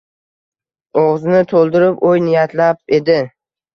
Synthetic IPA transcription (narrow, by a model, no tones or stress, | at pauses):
oʁznɪt̪ʰolˠd̪ɪɾɪpojnɪjat̪ʰlap̚e̞d̪ɪ